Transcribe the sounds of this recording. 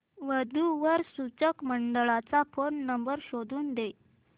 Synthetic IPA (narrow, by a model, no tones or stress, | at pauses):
ʋəd̪ʱuʋəɾsut͡səkməɳɖəɭat͡safonːəmbəɾɕod̪ʱuːnd̪e